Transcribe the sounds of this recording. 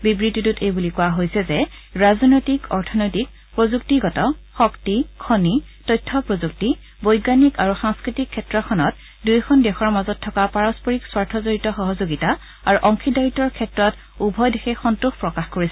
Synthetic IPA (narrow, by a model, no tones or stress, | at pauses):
bibɹitːitutejbulikuwaɦojsɛzɛɹazɔnojtikɔɹtʰɔnojtik̚ | pɹozuk̚tiɡɔtɔxɔktikʰɔnitɔjtʰːɔpɹozuk̚ti | bɔjɡanikaɹuxaŋskɹitikʰːɛtɹɔxʰɔnɔt | dujkʰɔndɛxɔɹmazɔtʰːɔkapaɹɔspɔɹikswaɹtʰɔzoɹitɔxɔɦɔzoɡita | aɹuʔɔŋkidajitːɔɹkʰɛtɹɔt | ubʱɔjdexʰɛxɔntuxpɹɔkaxkoɹisɛ